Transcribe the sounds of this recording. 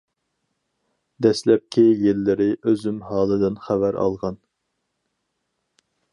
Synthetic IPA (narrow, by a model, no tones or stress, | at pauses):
d̪ɛslɛp̚kʲʰijelːɪɾɪʔøzymhɑːlˠɨd̪ɪnχævæɾʔɑ̰lˠʁɑn